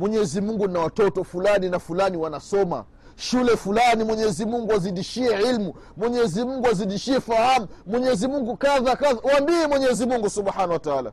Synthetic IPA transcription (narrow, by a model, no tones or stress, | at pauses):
mwɛɲɛzimuŋɡunawatɔtɔfulaninafulaniwanasɔma̰ | ʃulɛfulanimwɛɲɛzimuŋɡuaziɗiʃiɛʕilmu | mwɛɲɛzimuŋɡuaziɗiʃiɛfahamumwɛɲɛzimuŋɡukaðakaðawambiɛmwɛɲɛzimuŋɡusuɓħanawataala̰